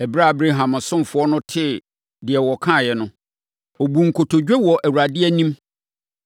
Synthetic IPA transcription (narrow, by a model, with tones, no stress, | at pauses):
ɛ˨bɾa˦˨bɾe˦ɦã˨mã˨sʊ̃˦m˨fʊ˨˦ɔ˦nʊ̃˦tʰɪ˦ | dɪ˨ɛ˨wɔ˨kʰã˦˨jɛ˨nʊ̃˦ | ɔ˨bu˨ŋ̩˨kʰo˨tʰo˨d͡ʑᶣɛ˦wɔ˨ʔæ˨wu˨ɾa˨dɪ˦ɛ˦nĩ˦m